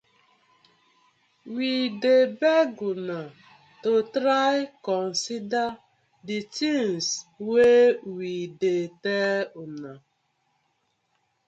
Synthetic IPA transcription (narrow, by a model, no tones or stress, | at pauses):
widebeɡuna | totɾajkɔn̩sida | dit͡ʃiŋswewideteʊna